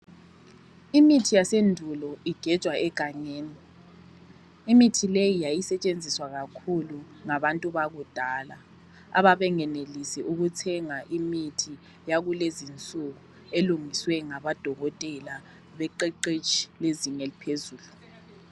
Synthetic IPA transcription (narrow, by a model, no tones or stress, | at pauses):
imitʰijasendʱulɔiɡ̥ʱɛt͡ʃʼwaʔɛɡ̥ʱaɲeːni | imitʰilejijajisɛt͡ʃʼend͡zʱiswaɣakʰulu | ŋaβantʼuβaɣud̥ʱaːla | a̰βaβɛŋɛnelisɛʔuɣutʰɛŋaʔimitʰi | jaɣulezint͡sʼuɣu | eluŋiswɛŋaβad̥ʱɔɣɔtʼɛla | βɛǃɛǃet͡ʃʼi̥leziŋɲɛlipʰezuːlu